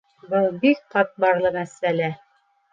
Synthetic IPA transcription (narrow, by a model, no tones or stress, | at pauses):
bɤlˠbik̚qɑt̪̚bɑɾlˠɤmæsælæ